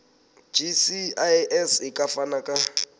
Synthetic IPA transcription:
d͡ʒisiaɛsikʼafanakʼa

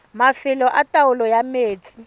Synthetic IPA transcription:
mafɪlɔʔatʼawʊlɔjameːt͡sʼi̥

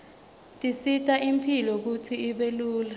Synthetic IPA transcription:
tʼisitʼaʔimpʰilɔk̬utʰiːɓeluːla

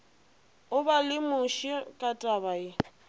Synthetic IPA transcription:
ʊbalɪmʊʃikʼatʼabaɪ

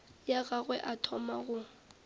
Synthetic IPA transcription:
jaɣaɣwɛʔatʰɔmaɣʊ

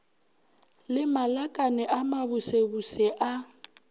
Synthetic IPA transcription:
lɪmalakʼanɛʔamabʊsebusɛʔa

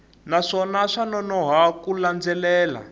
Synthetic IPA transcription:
naʂɔnaʂanɔnɔɦakuland͡zɛlɛːla̰

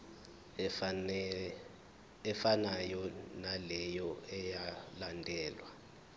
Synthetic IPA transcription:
ɛfanajɔnalɛjɔɛjalandʱɛːlwa

